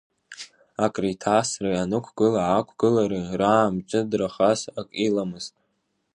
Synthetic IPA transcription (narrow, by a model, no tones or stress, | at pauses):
akʼritʰasrɨanɨkʷʰɡɨlaʕakʷʰɡ̥ɨlaɾɨraːmt͡ʃʼɨdraχasakʼilamɨz̥tʼ